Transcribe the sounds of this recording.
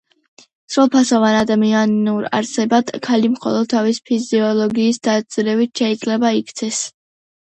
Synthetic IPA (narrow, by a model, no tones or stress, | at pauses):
sɾulˠpʰasɔvanad̪amianuɾa̰ɾsɛbad̪̥kʰalimχɔ̰lˠɔd̪̥̚t̪ʰavispʰiziɔlˠɔɡiːsd̪ad̪z̥ɾɛvit̪̚ʰʃɛid̪zʼlɛbaikʰt̪sʰɛs